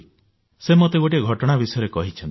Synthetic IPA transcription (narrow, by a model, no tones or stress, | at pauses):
semot̪eɡoʈiɡʱɔʈɔɽ̃abisɔjɔɾekɔɦit͡ʃʰɔnt̪